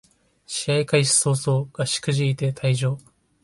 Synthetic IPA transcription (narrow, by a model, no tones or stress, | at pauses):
ɕiaikaiɕi̥so̞ːso̞ːɡ̥aɕi̥kɯ̟ʑiit̪e̞t̪ʰaiʑo̞ː